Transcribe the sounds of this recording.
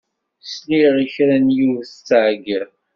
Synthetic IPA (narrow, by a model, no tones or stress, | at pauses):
sliʁiçɾænjuvθt͡sːʕɡəð